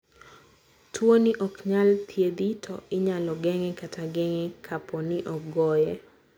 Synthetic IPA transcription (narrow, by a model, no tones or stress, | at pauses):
tʰwoniʔɔkɲalt̪ʰjed̪itʰɔ̰ʔɪɲalɔɡɛŋɛkatʰaɡɛŋɛkʰapʰɔnɪʔɔkɡɔjɛ